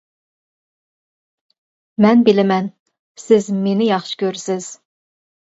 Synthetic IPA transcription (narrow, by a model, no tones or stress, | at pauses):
mɛnbɪlɪmɛn | sɪzmenɪjɑχʃɪ̥kʲøɾsɪz̥